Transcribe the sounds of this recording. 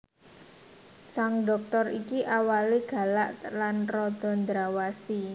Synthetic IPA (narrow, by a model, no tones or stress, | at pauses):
saŋɖɔ̤k̚t̪ɔrikiʔawaliɡ̥a̤laʔlanrɔd̪̥ɔ̤nd̪ɾawasi